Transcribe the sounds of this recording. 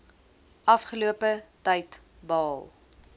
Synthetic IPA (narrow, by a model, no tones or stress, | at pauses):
ʔɐfχəluəpətɛjt | bɑːlˠ